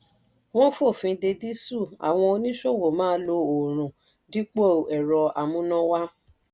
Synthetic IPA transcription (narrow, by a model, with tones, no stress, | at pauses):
w̃ɔ̃˦fo˦˨fĩ˨˧de˧di˦su˦˨a̰˨w̃ɔ̃˧o˧nĩ˦ʃo˦˨wo˨mãː˦lo˧o˨ɾ̃ũ˨ | di˨˦k͡po˦˨ɛ˨ɾɔ˧a˨mũ˦nã˦wa˦